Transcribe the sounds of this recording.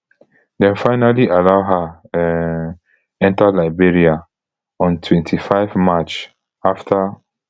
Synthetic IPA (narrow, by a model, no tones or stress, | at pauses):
dɛ̃nfaɪnaliʔalaʊɦa | ɛ̃ntalaɪbiɹia | ɔ̃ntʰwɛ̃ntʰifaɪvmat͡ʃ | aftʰa